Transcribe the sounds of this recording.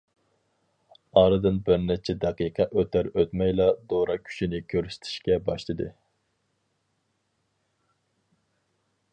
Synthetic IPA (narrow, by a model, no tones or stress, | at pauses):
ɑɾɨd̪ɨnbɪɾnɛt͡ʃʰɛd̪ɛqiqʰɑʔøt̪ʰæɾøt̪mɛjlˠɑd̪oɾɑkʲʰy̥ʃinɪkʲʰøɾsy̥t̪ʰɪ̥ʃkʲɛbɑʃlˠɨd̪ɨ̰